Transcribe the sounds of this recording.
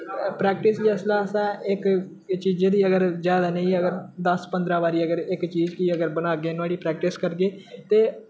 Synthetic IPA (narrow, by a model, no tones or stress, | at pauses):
pɾɛːk̚ʈɪsliːəslaːsãːɪk | t͡ʃiːd͡ʒeːd̪iːəɡəɾzjaːd̪aːnẽĩəɡəɾd̪əspənd̪ɾaːʋaːɾiːəɡəɾɪkt͡ʃiːd͡ʒkɪəɡəɾbəñaːɡeːnʋaːɽiːpɾɛːk̚ʈɪskəɾɡeːt̪eː